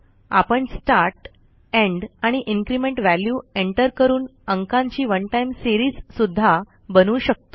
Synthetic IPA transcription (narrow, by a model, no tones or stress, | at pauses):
a̰pəɳsʈaɾʈ | ẽɳɖaɽ̃iʔiŋkɾimẽɳʈʋæljueɳʈəɾkəɾuːnəŋkãɲt͡ɕiːʋənʈajmsiɾiːd͡zsud̪ʱːa | bənuːɕək̚t̪o̥